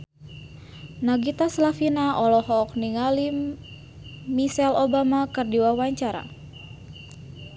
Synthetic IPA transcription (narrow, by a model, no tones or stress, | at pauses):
naɡit̪aslafinaʔɔlɔhɔk̚niŋalim | misɛlobamakɨrdiwawaɲt͡ʃaɾa̰